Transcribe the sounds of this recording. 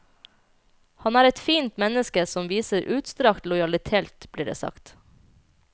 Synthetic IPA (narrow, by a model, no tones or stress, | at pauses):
hɑnæːɾɛt̪fiːnt̪mɛnəskəsɔmʋiːsəɾʔʉːt̪st̪ɾɑkt̪lɔʏɑlɪt̪ʰeːlt̪bliːɖḛːsɑ̰kt̪